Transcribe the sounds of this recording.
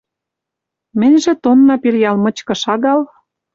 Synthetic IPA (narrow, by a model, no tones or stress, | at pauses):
mɘ̆nʲʒĕt̪onːɑpilʲjɑlmɤ̆t͡ɕkɤ̆ʃɑɣɑl